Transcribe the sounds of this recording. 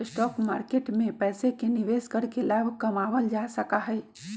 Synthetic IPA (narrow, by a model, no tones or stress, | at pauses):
ɪsʈɔːkma̰ːɾkeːʈmẽpɛːsekenɪʋeːskəɾkelaːbʱkɐmaːʋəld͡ʒaːsɐkaɦɛː